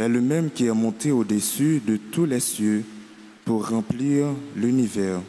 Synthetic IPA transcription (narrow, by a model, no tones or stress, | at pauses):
ɛləmɛmkʲiɛmɔ̃t̪eod̪esyd̪ət̪ulɛsjø | puʁːɑ̃pliːʁlynivɛːʁ